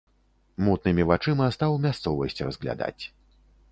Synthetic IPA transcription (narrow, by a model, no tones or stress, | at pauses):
mut̪̚nɨmʲivat͡ʂɨmɐst̪awmʲast̪sɔvɐsʲt͡sʲrɐzɣlʲa̰d̪a̰t͡sʲ